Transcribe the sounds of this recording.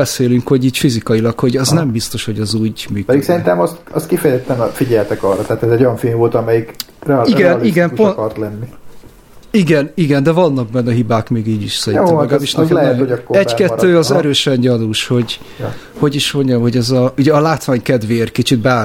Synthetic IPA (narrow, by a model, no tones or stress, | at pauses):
ɛseːlyŋkho̞ɟiːcfizikɒilɒkhoɟɒznɛmbist̪o̞ʃho̞ɟɛzuːɟmyːpɛd̪iksɛɾint̪ɛmɒst̪ɒ̰st̪kifɛjɛzɛt̪ːɛnfiɟɛlt̪ɛkɒrːɒt̪aaːt̪ɛzɛɟojɒ̃nfeːnvolt̪ɒmɛjik | rɛiɡɛnliiɡɛnuponkɒrt̪lɛnːi | iɡɛniɡɛnd̪ɛvɒnːɒɡ̚bɛnːɛɦibaːkmeːɡiːɟiʃsɛɾinɛɛɡaːliʃnɛlɛhoɒkːoɛɟkɛt̪ːøːɒzɛɾøːʃɛɲɟɒluːʃho̞ɟ | ho̞ɟiʃmo̞ɲɟɒmho̞ɟɛzɒuɟɛɒlaːt̪ʋaːɲkɛd̪veːrkit͡ʃit̪̚baː